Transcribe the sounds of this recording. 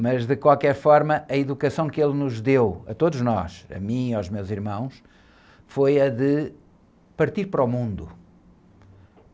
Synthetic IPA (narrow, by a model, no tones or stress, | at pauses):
mɐʒðɨkwalˠkɛɾfɔɾmɐʔɐiðukɐsɐ̃w̃kelˠnuʒðewɐ̰t̪oðuʒnɔ̰ʃɐ̰mĩawʒmewziɾmɐ̃w̃ʃ | fojɐðɨ | pɐɾt̪iɾpɐɾɔmũnd̪u